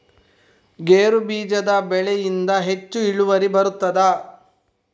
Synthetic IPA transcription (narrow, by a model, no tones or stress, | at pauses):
ɡeːɾubiːd͡ʒɐd̪ɐbɛɭɛjind̪ɐɦe̞t͡ʃːuiɭuʋɐɾibɐɾut̪ːɐd̪ɐ